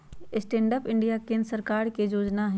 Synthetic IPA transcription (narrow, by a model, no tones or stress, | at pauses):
ɪsʈẽːɳɖəpɪɳɖijakẽːnd̪ɾsəɾkaːɾked͡ʒoːd͡ʒnaɦɛ̃